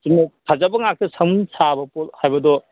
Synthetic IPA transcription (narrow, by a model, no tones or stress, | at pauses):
sinɐkʰazabɐŋak̚tɐsɐmnsʰabɐpolhajbɐdɔ